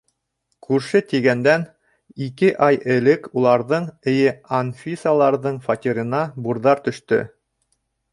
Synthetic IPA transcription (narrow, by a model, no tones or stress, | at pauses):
kʉɾʃɘt̪iɡænd̪æn | ikɘʔɑjɘ̆lɘkulˠɑɾðɤɴɘ̆jɘɐnfʲisalˠɑɾðɤɴfat̪ʲiɾʲɤ̆nɑbuɾðɑɾt̪ɵ̆ʃt̪ɵ̰